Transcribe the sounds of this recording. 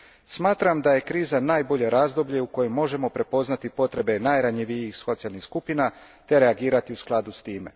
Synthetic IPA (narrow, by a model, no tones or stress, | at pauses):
smaːt̪ɾamd̪aje̞kɾiːzanaːjbo̞ʎe̞ɾaːzd̪o̞bʎe̞uko̞jemːo̞ʒe̞mo̞pɾe̞po̞znat̪ipo̞t̪ɾe̞be̞najɾaɲiʋijixso̞t̪ijalˠnixskupina | t̪e̞ɾe̞aɡiːɾat̪iusklˠad̪ust̪iːme̞̰